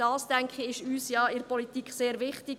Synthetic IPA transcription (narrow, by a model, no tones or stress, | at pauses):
d̥ɑːsd̥æŋkχiɪʃyːsjɑːɪɾpɔlit̪ikʰseːɾʋɪχtɪ